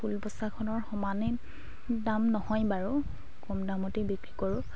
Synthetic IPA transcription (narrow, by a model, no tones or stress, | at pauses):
pʰulbɔsakʰɔnɔɹxɔmane | damnɔhɔjbaɹu | kɔmdamɔtebikɹikoɹʊ